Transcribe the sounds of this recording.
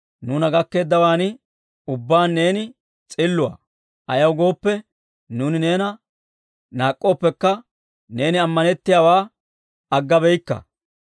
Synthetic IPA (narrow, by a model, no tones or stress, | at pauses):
nuːnɐɡɐkːe̞ːd̪ːɐwaːnɪ | ʊbːaːnːe̞ːnɪ | t͡sʼɪlːʊa̰ː | ʔɐjɐwɡo̞ːpːɛ | nuːnɪne̞ːnɐ | naːkʼːoːpːɛkːɐ | ne̞ːnɪɐmːɐnɛt̪ːɪjaːwaː | ɐɡːɐbɛjkːɐ̰